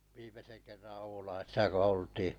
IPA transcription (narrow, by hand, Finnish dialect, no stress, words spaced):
ʋiːmesen kerːɑn̞ oulɑisisɑ ko oltiː